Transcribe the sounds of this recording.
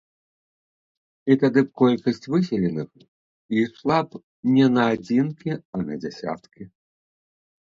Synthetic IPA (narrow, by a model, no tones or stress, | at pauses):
it̪ad̪ɨp̚kɔlʲkɐsʲt͡sʲvɨsʲɛlʲɛnɨx | islˠap | nʲɛnɐːd͡zʲinkʲiɐnɐ̰d͡zʲɛsʲa̰t̪kʲi